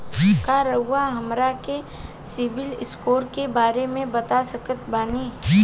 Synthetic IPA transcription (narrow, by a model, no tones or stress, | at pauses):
kaɾɐɦʊaɦɐmɾake | sɪbɪlɪskoːɾkebaːɾemẽbɐt̪asəkət̪baːniː